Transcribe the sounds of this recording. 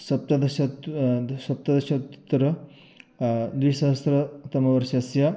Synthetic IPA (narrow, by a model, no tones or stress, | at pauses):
sɐp̚t̪ɐd̪ɐʃɐ | sɐp̚t̪ɐd̪ɐʃɐt̪t̪ːɐɾɐ | d̪wisɐɦɐst̪ɾɐt̪ɐmɐʋɐɾʃjɐsjɐ